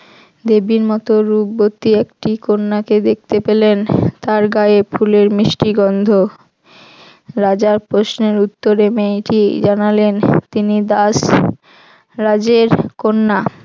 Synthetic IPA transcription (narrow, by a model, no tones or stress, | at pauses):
d̪ebiɾmɔt̪oɾubːot̪ːiekʈikonːaked̪ek̚ʰt̪epelent̪aɾɡaefʰuleɾmɾiʃʈiɡɔnd̪ʱo | ɾad͡ʑaɾpɾoʃneɾut̪ːoɾemejʈid͡ʑanalent̪inid̪as | ɾad͡ʑeɾkonːa